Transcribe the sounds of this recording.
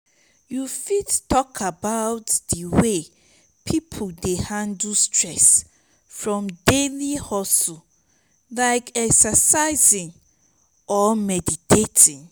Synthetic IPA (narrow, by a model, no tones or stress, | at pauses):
jufidtɔkʰabaʊtdəwe | pʰipʰodehãndustʰɹɛs | fɹɔ̃mdelihɔsu | laɪkɛksəsaɪzĩŋ | ɔmɛditʰetʰĩŋ